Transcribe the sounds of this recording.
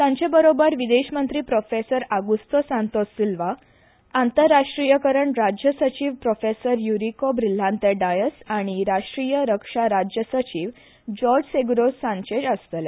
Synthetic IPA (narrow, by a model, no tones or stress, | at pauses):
t̪jãɲt͡ɕebəɾobəɾʋid̪eɕmənt̪ɾiːpɾofesəɾaɡust̪əsãnt̪osːilʋa | ant̪əɾːaʂʈɾijəkəɾəɳɾad͡ʑjəsət͡ɕiːʋpɾofesəɾjuɾikobɾil̤ːãnt̪eɖajəsaɽ̃iɾaʂʈɾijəɾəkʂaɾad͡ʑjəsət͡ɕiːʋ | d͡ʑɔɾd͡ʑseɡɾossãnt͡ɕed͡ʑəst̪əle